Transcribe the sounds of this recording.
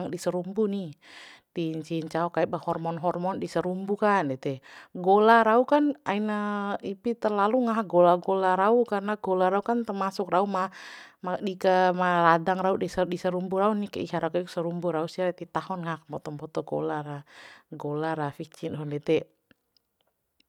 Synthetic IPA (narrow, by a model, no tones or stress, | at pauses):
ŋdisəɾumbunit̪iɲt͡ʃiɲt͡ʃaɔkaɛbahɔrmɔnɦɔrmɔndisəɾumbukandɛt̪ɛɡolaɾaukanainaipit̪ərlaluŋaɦɡolaɡolaɾaukarnaɡolaɾaukant̪ərmasʊkraumamadikəmaradaŋɾaudisədisəɾumbuɾaunikə̰iɦaɾaukaiksəɾumbuɾausiaɾat̪it̪ahɔnŋakmpɔt̪ɔmbɔt̪ɔɡo̰laraɡolaɾafit͡ʃindɔndɛt̪ɛ